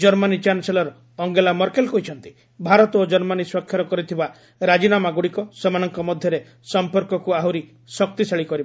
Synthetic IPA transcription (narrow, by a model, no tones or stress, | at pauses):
d͡ʒɔɾmanit͡ʃanselɔɾ | ɔŋɡelamɔɾkelkujt͡ʃʰɔnt̪i̥ | bʱaɾɔt̪ɔod͡ʒɔɾmaniswɔkʰjɔɾɔkɔɾit̪ʰiba | ɾad͡ʒinamaɡuɽikɔsemanɔŋkɔmɔd̪ʱjɔɾe | sɔmpɔɾkɔkuaɦuɾi | sɔk̚t̪isaɭikɔɾib